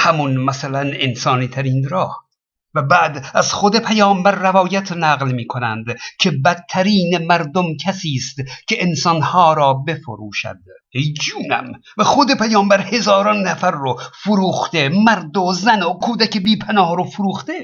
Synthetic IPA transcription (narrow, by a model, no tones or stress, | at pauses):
hæmunmæsælænensɒːniːt̪ʰæɾiːnɾɒːh | væbæːd̪æzχod̪e̞pʰæjɒːmbæɾːævɒːjæt̪ʰnæːɣlmiːkʰonænd̪cʰe̞bæt̪ʰːæɾiːnemæɾd̪omkʰæsiːst̪cʰeʔensɒnhɒːɾɒːbe̞fo̰ɾuːʃæ̰d̪̥ | ejd͡ʒuːnæ̰m | væxod̪epʰæjɒːmbæɾhe̞zɒːɾɒnːæfæɾːofoɾuːxt̪emæɾd̪ozænokʰuːd̪ækebiːpʰænɒːhɾofoɾuːxt̪e